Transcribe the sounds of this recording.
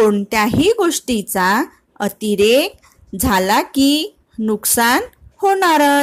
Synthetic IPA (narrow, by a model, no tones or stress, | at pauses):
koɳt̪jaɦiɡoʂʈit͡sa | ət̪iɾek̚ | d͡zʱalaki | nuksanhoɽ̃aɾə